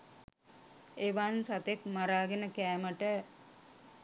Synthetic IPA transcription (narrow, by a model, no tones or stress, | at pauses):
eʋansat̪ekmaɾaːɡenəkæːməʈə